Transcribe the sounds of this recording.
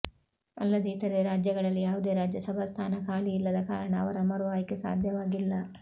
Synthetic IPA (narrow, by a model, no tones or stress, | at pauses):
ɐ̰lːɐd̪eit̪ɐɾeɾaːd͡ʒjɐɡɐɭɐlːijaːʋud̪e̞ːɾaːd͡ʒjɐsɐbʱast̪ʰaːnɐkaːɭiːlːɐd̪ɐkaːɾɐɳɐ̰ːʋɐɾɐmɐɾʋaːjikesa̰ːd̪ʱjɐʋaːɡilːɐ